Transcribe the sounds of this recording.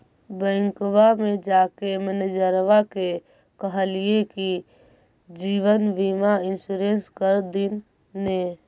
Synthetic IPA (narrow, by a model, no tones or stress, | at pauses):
bə̃ŋkwamẽd͡ʒakeməned͡ʒəɾʋake | kəɦəlieki | d͡ʒiʋənʋimaɪnsuɾenskəɾd̪inː | e